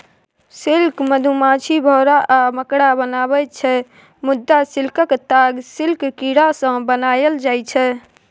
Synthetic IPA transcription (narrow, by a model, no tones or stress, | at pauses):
silkməd̪ʱumat͡ʃʰibʱɔɾaʔaməkɽabənabɛt͡ʃʰɛ | mud̪ːasilkəkt̪aɡsilkkiɽasə̃bənajəld͡ʒajt͡ʃʰɛ